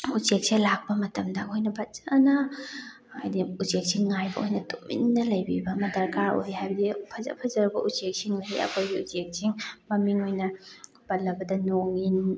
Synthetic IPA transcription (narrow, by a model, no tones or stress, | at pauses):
ut͡ʃek̚selak̚pɐmɐtɐmdɐojnɐbɐt͡ʃanɐ | ajdiut͡ʃek̚siŋːajbɐojnɐtomḭnːɐlɐjbibɐmɐdɐɾkaɾo̰ɾihajbɐdipʰɐzɐ̰pʰɐzɐɾɐbɐʔut͡ʃek̚siŋoɾiɐ̰kʰojbiut͡ʃek̚siŋmɐmiŋojnɐ | b̥ɐlːɐbɐdɐnoŋin